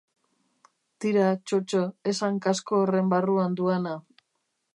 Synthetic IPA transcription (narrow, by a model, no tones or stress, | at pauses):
t̪iɾat͡ʃot͡ʃoesaŋkasko̞ːre̞mbaruand̪uana